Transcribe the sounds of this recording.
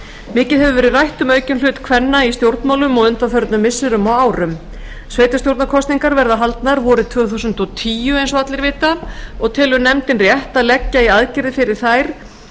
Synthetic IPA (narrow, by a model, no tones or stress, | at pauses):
mɪːcɪðɦɛvʏvɛːɾɪrajht̪ʏmœːɥcʏnlʏːt̪kʰvɛnːaist̪jowɾt̪nmawlʏmɔɣʏnt̪afœɾt̪nʏmːɪsːɪɾʏmaɣaːwɾʏm | sveːjt̪ast̪jowɾt̪nakʰɔst̪niŋkaɾvɛɾðaɦalt̪naɾvɔɾʏt̪ʰv̥œːθusʏnt̪ɔt̪ʰiːjʏejnsɔat̪lɪɾvɪːt̪aɔɣt̪ʰɪːlʏnɛmt̪ɪnrjɛht̪aðlɛcːaiaðcɪɾðɪfɪɾɪɾ̥θajɾ̥